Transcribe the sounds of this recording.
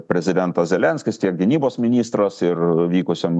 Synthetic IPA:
pʲɾʲɛzʲɪd̪ʲɛnt̪ɐszʲɛlʲɛnʲskʲɪst̪ʲiɛk̚ɡʲɪnʲiːboːsmʲɪnʲiːst̪ɾɐsɪrʋʲiːkʊsʲem

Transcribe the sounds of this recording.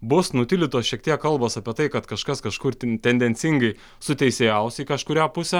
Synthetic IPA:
bʊsnʊt̪ʲɪlʲɪt̪oːsʃʲiɛk̚t̪ʲiɛkkːɐlˠboːsɐpʲiɛt̪ɐɪkɐt̪kɐʃkɐskɐʃkʊɾt̪ʲɛnʲd̪ʲɛnʲtsʲɪŋɡɐɪ | sʊt̪ʲɛɪsʲeːjɛʊsiːkɐʃkʊɾʲæːpʊsʲɛː

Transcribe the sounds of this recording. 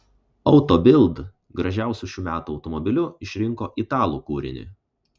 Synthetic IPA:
ɒʊt̪ɔbʲɪlˠd̪ | ɡɾɐʒʲæˑʊsʲuʃʲuːmʲæːt̪uɒʊt̪ɔmɔbʲɪlʲʊɪʃʲɾʲɪŋkoːʔit̪ɑːlˠṵkuːɾʲɪ̰nʲɪ̰

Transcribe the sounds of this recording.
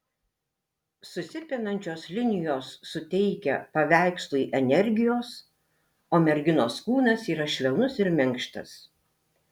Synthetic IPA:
sʊsʲɪpʲɪnɐnʲt͡ʃʲoːslʲɪnʲɪjoːsːʊt̪ʲɛɪkʲɛ̰pɐʋʲæˑɪkslˠʊiːʔɛnʲɛɾʲɡʲɪjoːs | oːmʲɛɾʲɡʲɪnoːskuːnɐsiːɾɐʃʲlʲɛʊnʊsɪɾmʲɛŋkʃt̪ɐ̰s

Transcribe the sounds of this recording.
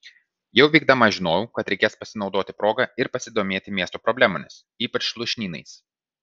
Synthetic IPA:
jɛʊʋʲiːɡ̚d̪ɐmɐʒʲɪnoːjʊːkɐt̪ɾʲɛɪkʲeːspɐsʲɪnɒʊd̪oːt̪ʲɪpɾoːɡɐɪɾpɐsʲɪd̪oːmʲeːt̪ʲɪmʲiɛst̪oːpɾɔbʲlʲæːmonʲɪs | iːpɐt͡ʃʃlˠʊʃʲnʲiːnɐ̰ɪs

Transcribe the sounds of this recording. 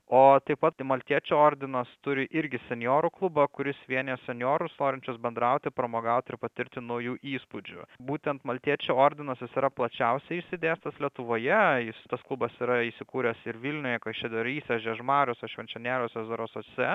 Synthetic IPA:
oːt̪ɐɪpɐt̪mɐlʲt̪ʲiɛt͡ʃʲuːoːɾʲd̪ʲɪnɐst̪ʊɾʲɪʔɪɾʲɡʲɪsʲɛnʲjoːɾʊklˠʊbɐkʊɾʲɪsʋʲiɛnʲɛsʲɛnʲjoːɾʊsnoːɾʲɪnʲt͡ʃʲʊsbʲɛnd̪ɾɐʊt̪ʲɪpɾɐmoːɡɐʊt̪ʲɪɾpɐt̪ʲɪɾʲt̪ʲɪnɐʊjuːʔiːspʊd͡ʒʲʊ̰buːt̪ʲɛnt̪mɐlʲt̪ʲiɛt͡ʃʲuːoːɾʲd̪ʲɪnɐsʲjʲɪsiɾɐplˠɐt͡ʃʲɛʊsʲɛɪɪʃʲsʲɪd̪ʲeːst̪ɐslʲiɛt̪ʊʋoːjɛjɪst̪ɐsklˠʊbɐsiːɾɐisʲɪkuːɾʲɛsɪɾʋʲilʲnʲʊjɛkɐʃʲɛd̪ʲɛɾiːsʲɛʒʲɛʒmɑːɾʲoːsʲɛʃʲʋʲɛnʲt͡ʃʲɛnʲæːlʲoːsʲɛzoɾoːsosʲɛ

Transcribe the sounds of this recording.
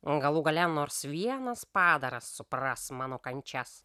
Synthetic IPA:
ɡɐlˠuːɡɐlʲɛnoːɾsʋʲiɛnɐspɑːd̪ɐɾɐsːʊpɾɐsmɑːnoːkɐnʲt͡ʃʲɛs

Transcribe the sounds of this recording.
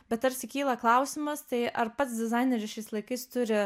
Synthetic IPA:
bʲɛt̪ɐɾʲsʲɪkʲiːlˠɐklˠɐʊsʲɪmɐst̪ɐɪʔɐɾpɐt̪sd̪ʲɪzɐɪnʲɛɾʲɪʃʲɛɪslˠɐɪkɐɪst̪ʊɾʲɪ

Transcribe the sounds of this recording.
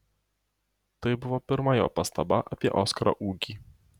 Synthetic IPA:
t̪ɐɪbʊʋoːpʲɪɾmɐjo̰ːpɐst̪ɐbɐʔɐpʲiɛʔoːskɐɾɐ̰ʔuːkʲiː

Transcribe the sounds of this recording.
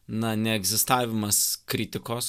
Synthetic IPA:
nɐnʲɛɛɡzʲɪst̪ɑːʋʲɪmɐskɾʲɪt̪ʲɪkoːs

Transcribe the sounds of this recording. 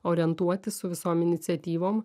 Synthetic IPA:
oːɾʲɪɛnt̪uɔt̪ʲɪsʊʋʲɪsoːmɪnʲɪt̪sʲɛt̪ʲiːʋoːm

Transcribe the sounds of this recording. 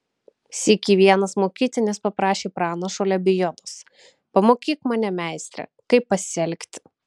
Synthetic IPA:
sʲikʲiːʋʲiɛnɐsmoːkʲiːt̪ʲɪnʲɪspɐpɾɑːʃʲeːpɾɑːnɐʃoːlʲɛbʲɪjɔd̪os | pɐmoːkʲiːkmɑːnʲɛmʲæˑɪsʲt̪ʲɾʲɛ̰ | kɐɪpːɐsʲɛlʲkʲt̪ʲɪ̥

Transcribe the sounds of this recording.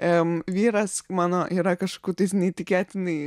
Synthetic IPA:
ɪmʋʲiːɾɐsmɑːnoːʔiːɾɐkɐʃkokʲuːt̪ɐɪsnʲɛit̪ʲɪkʲæːt̪ʲɪnɐɪ

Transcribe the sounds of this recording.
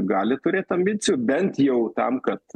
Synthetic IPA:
ɡɑːlʲɪt̪ʊɾʲeːt̪ɐmʲbʲɪt͡sʲɪjubʲɛnt̪jɛʊt̪ɐ̰mkɐt̪

